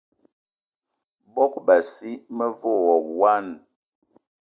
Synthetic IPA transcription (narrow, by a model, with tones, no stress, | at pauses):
bɔ˦k̚ba˨si˦mə˦vo˦˨wɔ˨p̚wa˦n